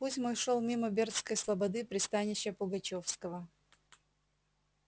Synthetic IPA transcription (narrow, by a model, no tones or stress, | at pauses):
pusʲmojʂolˠmʲimɐbʲert̪skəjslˠɐbɐd̪ɨpɾʲɪst̪anʲɪɕːəpʊɡɐt͡ɕofskəvə